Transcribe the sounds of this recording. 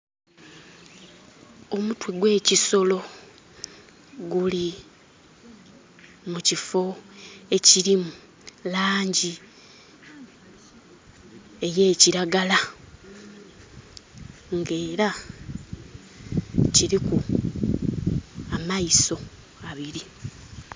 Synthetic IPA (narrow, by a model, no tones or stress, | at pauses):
o̞mutweɡwe̞ːciso̞lo̞ | ɡuli | mucifo̞e̞ciɾimu | laːɲɟi | e̞je̞ːciɾaɡala | ŋɡe̞ːɾa | ciɾiku | amaiso̞ | aβiɾi